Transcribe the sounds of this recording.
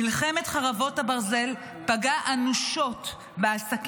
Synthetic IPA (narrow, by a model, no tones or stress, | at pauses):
ilχemetχaʁavo̞thabaʁze̞l | paɡaʔanuʃo̞t | beasak